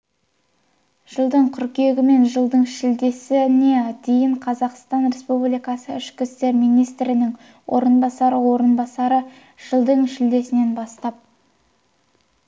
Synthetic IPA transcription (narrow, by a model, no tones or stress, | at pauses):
ʒ̥əlˠd̪əɴkʲʰʏɾkʲe̞ɡʲɪme̞nʒəlˠd̪əɴʃɪld̪e̞sɪne̞d̪e̞jɪɴqʰɑzɑqst̪ɑnɾe̞spublijkɑsəʏʃkʲɪst̪e̞ɾmijnijst̪ɾɪnɪŋ | wʔo̞̰ɾənbɑsɑɾəwo̞ɾənbɑsɑɾə | ʒ̥əlˠd̪əɴʃɪld̪e̞sɪne̞nbɑst̪ɑp̚